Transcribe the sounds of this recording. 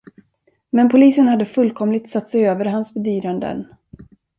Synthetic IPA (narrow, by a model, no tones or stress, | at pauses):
mɛnpʰʊliːsənhad̪ːəfɵlːkʰɔmlɪt̪sat̪ːsɛjøːvəɾɦansbɛd̪yːɾand̪ə̰n